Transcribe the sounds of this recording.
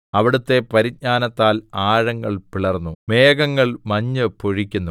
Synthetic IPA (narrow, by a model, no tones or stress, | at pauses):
ɐʋiɽut̪ːe̞pɐɾit̚ɲaːnɐt̪ːaːlaːɻɐŋːɐɭpiɭɐrnːume̞ːɡɐŋːɐɭmɐɲːɨpoɻikʲːunːu